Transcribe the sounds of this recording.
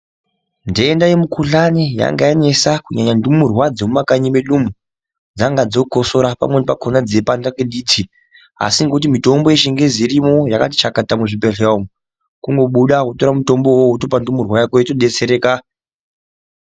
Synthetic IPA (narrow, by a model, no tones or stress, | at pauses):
ndeːndajemukʰuɬanija̰ŋɡajane̞sakuɲaɲandumurwad͡zomumakaɲimeɗumu | d͡zaŋɡad͡zo̞ko̞so̞ɾapa̰mwe̞nepakʰonad͡zepandakweɗiːtʰi | a̰siŋɡout̬imito̞mbo̞eʃeŋɡe̞ziɾimo̞jakati̥t͡ʃakatamuʐipeɬeomu | kuŋɡo̞ɓuɗakoto̞ɾamuto̞mbo̞wouto̞pandumurwajakoitoɗe̞t͡se̞ɾe̞ːka